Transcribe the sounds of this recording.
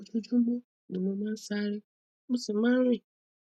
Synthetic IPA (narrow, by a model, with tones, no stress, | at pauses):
d͡ʒo˦d͡ʒu˦mo˦ | nĩ˨mo˨mã˦sa˦ɾɪ˦ | mʊ˦sɪ˨ma˦ɾɪ˦˨